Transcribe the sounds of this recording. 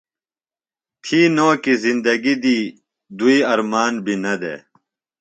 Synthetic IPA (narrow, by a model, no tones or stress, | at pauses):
t̪ʰiːnoːkizind̪ɐɡid̪iː | d̪uiɐɾmaːnbinɐd̪ḛː